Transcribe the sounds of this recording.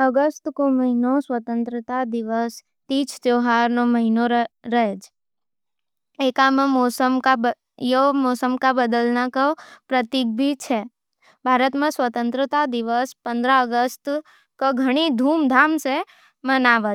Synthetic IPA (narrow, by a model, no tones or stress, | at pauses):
əɡəst̪koməɦinosʋət̪ə̃nt̪ɾət̪ad̪iʋəs | t̪it͡ʃʰt̪joɦaɾnoməɦinoɾəɦed͡ʒʰ | ekamãmosəmkabə | jomosəmkabəd̪əlnakəpɾət̪ik̚bʱit͡ʃʰe | bʱaɾət̪mãsʋət̪ənt̪ɾət̪ad̪iʋəspə̃nd̪ɾaəɡəst̪ | kəɡʱəɽ̃id̪ʱumd̪ʱamʃe | mənaʋə